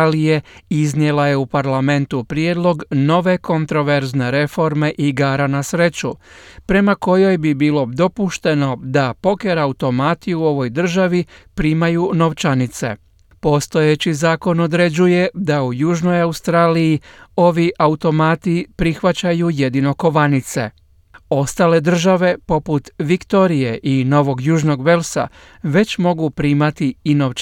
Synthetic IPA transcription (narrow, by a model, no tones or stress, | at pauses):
lije̞iznje̞laje̞upaɾlame̞nt̪upɾje̞d̪lˠo̞ɡno̞ʋe̞ko̞nt̪ɾo̞ʋe̞ɾzne̞ɾe̞fo̞ɾme̞ʔiɡaːɾanasɾe̞t͡ɕupɾe̞mako̞jo̞jbibiːlo̞d̪o̞puʃt̪e̞no̞d̪apo̞ke̞ɾaut̪o̞maːt̪iuo̞ʋo̞jd̪r̩ʒaʋipɾiːmajuːno̞ʋt͡ʃanit̪se̞̰ | po̞st̪o̞jet͡ɕizaːko̞no̞d̪ɾe̞d͡ʑuje̞d̪aujuːʒno̞jaust̪ɾaːlijio̞ʋiʔaut̪o̞maːt̪ipɾixʋat͡ɕajuje̞d̪ino̞ko̞ʋanit̪se̞̰ | o̞st̪aːle̞d̪r̩ʒaʋe̞po̞put̪ʋikt̪o̞ɾijeʔino̞ʋo̞ɡjuːʒno̞ɡʋe̞lsa̰ | ʋe̞t͡ɕmo̞ɡupɾiːmat̪iinoʋt͡ʃ